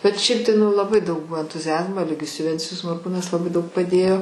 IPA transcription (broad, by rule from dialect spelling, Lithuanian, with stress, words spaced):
bʲɛt ˈʃʲɛɪp tɐɪ ˈnʊ lˠɐˈbɐɪ dɐʊk ˈbuɔ ɛntʊzʲɪˈɑːzmoː ɛˈlʲɪɡʲɪjʊs jʊˈʋʲɛnʲt͡sʲɪjʊs moːrˈkuːnɐs lˠɐˈbɐɪ ˈdɐʊk pɐˈdʲeːjoː